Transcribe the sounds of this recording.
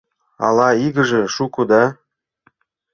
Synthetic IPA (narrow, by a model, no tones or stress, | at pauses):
ɑ̰lɑiɣə̆ʒĕʃukud̪ɑ